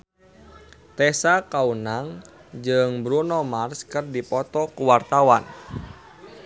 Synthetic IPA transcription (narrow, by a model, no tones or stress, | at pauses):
t̪ɛsakaunaŋd͡ʒɨŋbɾunɔmarskɨrdipɔt̪ɔkuwart̪awan